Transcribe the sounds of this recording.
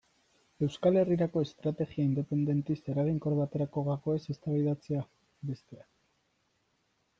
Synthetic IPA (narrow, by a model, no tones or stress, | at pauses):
e̞wskale̞riɾako̞e̞st̪ɾat̪e̞ɣiaind̪e̞pe̞nd̪e̞nt̪ise̞ɾaɣ̞iŋkoɾβat̪e̞ɾako̞ɣako̞e̞se̞st̪aβiðat͡se̞a | be̞st̪e̞a